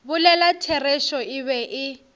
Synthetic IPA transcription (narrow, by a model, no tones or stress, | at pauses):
bʊlɛlatʰɛrɛʃɔɪβɛʔɪ